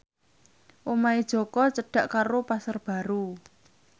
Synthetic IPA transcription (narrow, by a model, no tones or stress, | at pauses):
ʔomaid̥ʒ̥ɔ̤kɔt͡ʃəɖ̥a̤ʔkaɾopasərb̥a̤ɾu